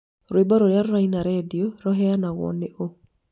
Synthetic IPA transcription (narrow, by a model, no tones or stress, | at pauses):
ɾoebaɾoɾjarːainaɾedioɾɔɦɛanaɣɔ̰neʔo